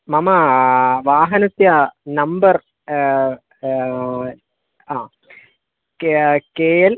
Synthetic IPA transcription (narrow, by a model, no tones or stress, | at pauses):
mɐmɐʋaːɦɐnɐsjanɐmbɐr | aː | kkeːjɐl